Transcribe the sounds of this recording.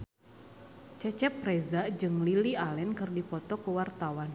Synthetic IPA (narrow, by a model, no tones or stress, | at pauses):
t͡ʃɛt͡ʃɛpːɾezad͡ʒɨŋlilialɛnkɨrdipɔt̪ɔkəwart̪awan